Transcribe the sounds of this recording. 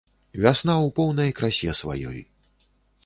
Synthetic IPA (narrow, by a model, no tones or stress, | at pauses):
vʲasnawpɔwnɐjkɾasʲɛsva̰jɔ̰j